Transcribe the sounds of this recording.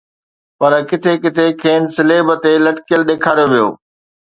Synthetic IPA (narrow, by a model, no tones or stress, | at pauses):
pɐɾkɪt̪ʰekɪt̪ʰekʰeːnsɪleːbət̪elɐʈkijəlɗeːkʰaːɾjoʋijo̰ː